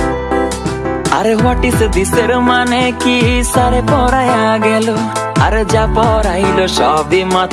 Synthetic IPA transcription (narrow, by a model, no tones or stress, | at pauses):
ɐɾʋaʈised̪iseɾomanekisaɾepɔɾaːjaɡɛloɐɾd͡ʒapɔːɾailoʃɔːbimã